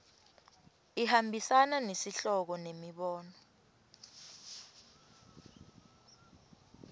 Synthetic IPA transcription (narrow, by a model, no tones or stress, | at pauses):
ihambʱisananesiɬɔk̬ɔnemiɓɔːnɔ